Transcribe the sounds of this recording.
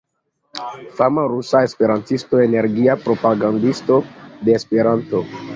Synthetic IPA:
famaɾusae̞spe̞ɾantisto̞e̞ne̞ɾɡiapɾo̞paɡandisto̞de̞ːspe̞ɾanto̞

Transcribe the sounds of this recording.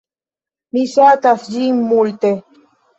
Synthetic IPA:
misaːt̪asd͡ʑimːult̪e

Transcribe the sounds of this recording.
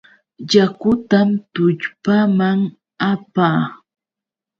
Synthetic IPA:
jakʊt̪amt̪ʊʎpamaŋ | apaː

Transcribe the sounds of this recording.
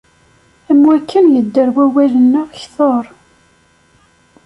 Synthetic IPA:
æmwækːənjəd̪ːəɾwæwælənːʊʁçθoɾˤ

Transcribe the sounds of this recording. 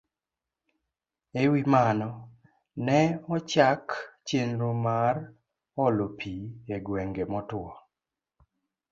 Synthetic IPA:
ewimanɔ | nɛɔt͡ʃakt͡ʃenɾomar | ɔlopʰieɡweŋɡemɔtʊɔ

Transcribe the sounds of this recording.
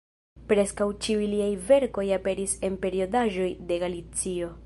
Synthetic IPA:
pɾe̞skawt͡ʃiujliajve̞ɾko̞jape̞ɾise̞npe̞ɾio̞daʒo̞jde̞ɡalit͡sio̞

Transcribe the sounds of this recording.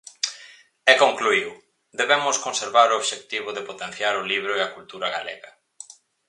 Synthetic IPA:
ekoŋkluiw | d̪eβemʊskonseɾβaɾooβʃek̚t̪iβ̞ʊðepot̪en̟θjaɾʊliβ̞ɾʊeakult̪uɾaɣa̰lḛɣɐ

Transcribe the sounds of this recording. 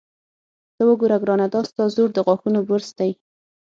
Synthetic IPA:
t̪əwəɡoɾaɡɾɑnad̪ɑst̪ɑzoɾd̪əɣwɑxunobəɾsd̪aj

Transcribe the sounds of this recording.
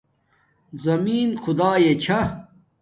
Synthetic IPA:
zɐmiːnxʰʊd̪aːjet͡ɕʰɐ

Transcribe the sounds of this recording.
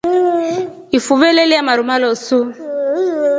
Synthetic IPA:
ifuvɛleliamaɾumalɔsu

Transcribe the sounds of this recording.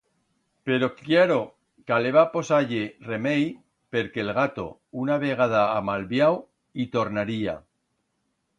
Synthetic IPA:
pe̞ɾo̞kjeɾo̞ | kaleβapo̞saʝere̞mej | pe̞ɾkelɣat̪o̞̰ | unaβeɣ̞aðaːmalβjaw | it̪o̞ɾnaɾia̰

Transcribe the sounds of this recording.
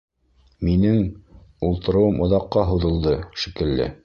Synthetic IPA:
minɘŋulˠt̪ɤ̆ɾɤ̆wɤmʔŏðɑqːɑɦuðɤ̆lˠd̪ɤʃikɘ̆lːɘ̰

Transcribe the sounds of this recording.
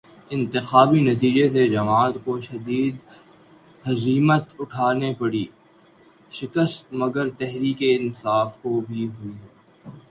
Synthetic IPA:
ɪ̃nt̪ɪxaːbinɐt̪̬iːd͡ʒesed͡ʒɐmaːt̪koʃɐd̪iːd̪ | hɐziːmət̪ʊʈʰaːnepɐɽiː | ʃɪkəst̪mɐɡəɾt̪ɛɦɾiːkeɪ̃nsaːfkobʱiɦʊi

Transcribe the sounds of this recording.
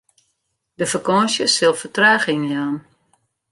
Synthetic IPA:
dəfərkɔnsjəsɪlˠfərtraːxɪŋjaːn

